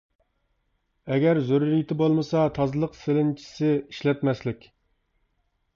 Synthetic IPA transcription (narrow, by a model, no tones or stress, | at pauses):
ɛɡʲɛɾzøɾuɾijt̪ʰɪbolˠmɨsɑt̪ʰɑzɨlˠəqselɪnt͡ʃʰi̥sɪiʃlɛt̪mɛslɪkʲ